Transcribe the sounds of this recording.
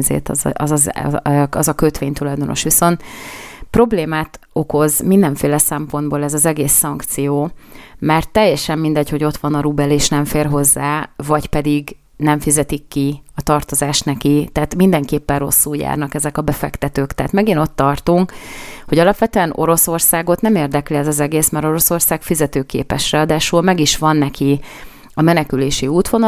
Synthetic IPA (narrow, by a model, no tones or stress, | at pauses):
zḛːt̪zɒzz | ɒzɒkøt̪ʋeːɲt̪ulɒjd̪o̞no̞̰ʃʋiso̞nt̪pro̞bleːmaːt̪ | o̞ko̞zmind̪ɛɱfeːlɛsɛmpo̞nd̪̚boːlɛzɒzɛɡeːsːɒŋkt̪sijoːmɛrt̪ːɛjːɛʃɛmːind̪ɛɟho̞ɟo̞t̪ʋɒnɒɾubɛleːʃnɛɱfeːrɦo̞zːaːvɒɟpɛd̪iɡ | nɛɱfizɛt̪ikːiɒt̪ɒrt̪o̞zaːʃt̪nɛkit̪aːt̪mind̪ɛŋkeːpːɛrro̞̰sːuja̰ːrnɒkɛzɛkɒbɛfɛkt̪ɛt̪øːkt̪ɛɦːt̪mɛɡino̞t̪ːɒrt̪uŋkho̞ɟɒlɒpʋɛt̪øɛno̞̰ɾo̞so̞rsaːɡo̞t̪nɛmeːrd̪ɛkliɛzɒzɛɡeːsmɛɾo̞ɾo̞so̞rsaːkfizɛt̪øːkḛːpɛʃrɛɒːd̪aːʃulmɛɡiʃʋɒnːɛki | ɒmɛnɛkyleːʃiuːt̪ʋo̞n